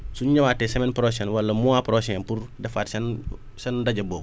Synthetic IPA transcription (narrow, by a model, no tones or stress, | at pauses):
suɲɲɐwaːtesɛmɛnpɾos̬ɛːnwɐlːɐmuapɾosenpuɾdɛfaːtsen | sɛndɐɟɐboːɡ